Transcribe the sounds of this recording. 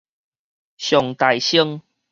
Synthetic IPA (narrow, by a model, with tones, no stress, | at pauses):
ɕjɔ˨˩ŋt̪a˨˩jɕi˧ŋ